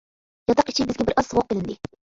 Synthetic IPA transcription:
jɑt̪ʰɑqi̥t͡ʃʰibɪzɡʲɛbɪɾʔɑzʁoqːelɪnd̪ɪ

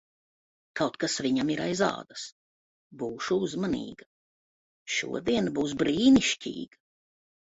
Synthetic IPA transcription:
kawt̪̚kasviɲamiɾajza̰ːd̪as | buːʃuuzmanḭːɡa | ʃṵɔd̪iɛnbuːs̬bɾiːniʃcʲḭːɡ̥a

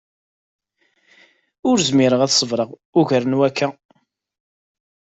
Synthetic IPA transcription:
ʊɾzmiɾəʁæθsˤəvɾˤəʁ | ʊʝəɾənwækːæ

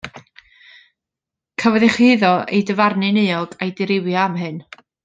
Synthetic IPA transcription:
kʰawɛðɛχiðɔḛjdəvarnɨnejɔɡ̥ajdɪɾɪwjaamɦɨn

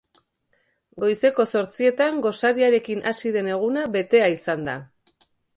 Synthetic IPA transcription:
ɡo̞jse̞ko̞so̞ɾt͡sie̞t̪aŋɡo̞saɾiaɾe̞kinʔasiðe̞ne̞ɣ̞unaβe̞t̪e̞aisand̪a̰

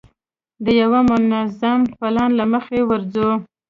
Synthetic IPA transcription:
d̪əjawamʊnazampalɑnlaməxewəɾzu

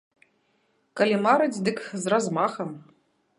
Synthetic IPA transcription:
kalʲimaɾɨt͡sʲd̪ɨkzrazmaxɐm

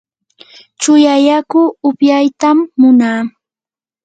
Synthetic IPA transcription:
t͡ʃʊjajakʊʊpjajt̪amːʊnaː

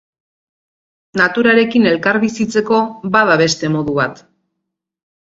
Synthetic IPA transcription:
nat̪uɾaɾe̞kine̞lkaɾβisit͡se̞ko̞βaðaβ̞e̞st̪e̞mo̞ðuβat̪

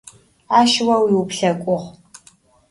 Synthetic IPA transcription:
aːʃwɐwiːwʊpɬɐkʷʼʊʁ

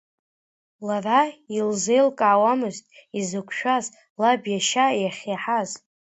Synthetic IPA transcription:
larailze̞jlkʼaʕːwamɨztʼizɨkʷʰʼʃᶣaz | labjaʃajaχʲeħaz

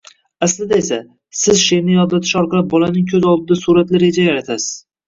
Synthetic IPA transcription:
aslɪd̪aesa | sɪzʃeɾnɪjɒd̪lːat̪ʰɪʃɒɾqɑlˠɪp̚bɒlanɪŋkʲʰɵzɒlˠd̪ɪd̪asuɾat̪lɪɾed͡ʒajaɾat̪ʰasɪz̥

